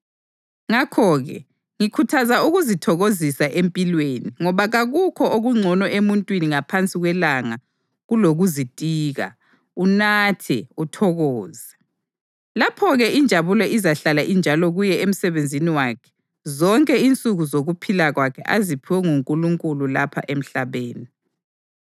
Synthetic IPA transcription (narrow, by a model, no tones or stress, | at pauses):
ŋakʰɔɣɛ̰ | ŋikʰutʰazauɣuzitʰɔɣozisaʔempʼilweniŋɔβaɣaɣukʰɔʔoɣuŋ͡ǀʱɔnɔʔemuntʼwiniŋapʰant͡sʼiɣwɛlaŋa | ɣuloɣuzitʼiːɣa̰ | unatʰɛ̰utʰɔɣɔːzɛ | lapʰɔɣɛʔind͡ʒʱaβulɔʔizaɬalaʔind͡ʒʱalɔɣujɛem̩sɛβend͡zʱiniwakʰɛ̥ | zɔŋkʼɛint͡sʼuɣuzoɣupʰilaɣwakʰɛ̰ʔazipʰiwɛŋuŋkʼuluŋkʼululapʰa̰ʔem̩ɬaβeːni